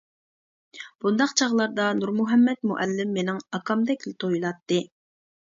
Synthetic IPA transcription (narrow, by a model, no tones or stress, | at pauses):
b̥und̪ɑqt͡ʃʰɑʁlˠɑɾd̪ɑnuɾmuɦɛmːɛt̪muʔɛlːɪmːenɪŋɑkʰɑmd̪ɛkʲlɪt̪ʰojilˠɑt̪ːɨ